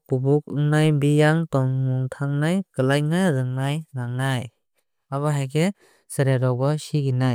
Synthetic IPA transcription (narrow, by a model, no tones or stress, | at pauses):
kubuk̚ɯŋnajbijaŋtɔŋmuŋtʰaŋnajkɯlajnaɾɯŋnajnaŋnaj | aβaɦajɡe | sɯɾeɾɔbɔsiɡinaj